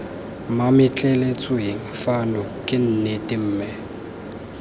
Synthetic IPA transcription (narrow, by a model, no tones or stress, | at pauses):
mamɪt͡ɬʼɛlet͡sʼweŋ̩fanɔkʼɪn̩nɛtʼɪm̩ːmɛ